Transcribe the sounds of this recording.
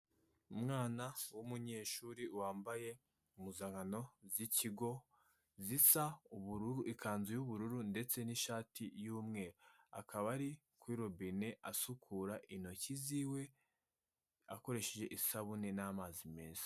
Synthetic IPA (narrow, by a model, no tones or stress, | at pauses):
umŋaːnawumuɲe̞ːʃuːɾiwaːmbaje̞ | umuzaŋano̞ziciɡo̞ | zisauβuɾuɾuʔikaːnzejuβuɾuɾunde̞t͡se̞niʃaːtʰijuːmŋe̞ːɾoa̰kʰaβaɾi | kwiːɾobine̞ʔasukʰuːɾaʔino̞ciziːwe̞ | a̰ko̞ɾe̞ʃe̞ʒe̞ʔisaβune̞naːmaːzimeːnzḁ